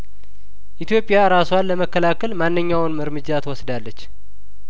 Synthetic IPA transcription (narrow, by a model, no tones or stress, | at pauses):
ʔit̪jo̞pʼːɪjaɾaswanlːəməkːəlakʰəlmanːɨɲːawnmɨɾmɨd͡ʒːat̪ʰwɔsd̪alːət͡ʃː